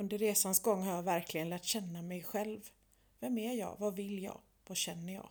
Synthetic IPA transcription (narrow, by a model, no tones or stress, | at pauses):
ɵnd̪əɾeːsansɡɔŋːhaɾjɑvæɾklɪɡənlæːʈɕɛnːamɛjɧɛlv | vɛmæjɑ̰ːvɑvɪlːjɑ̰ːɡ | vaɕɛnːəjɑ̰ː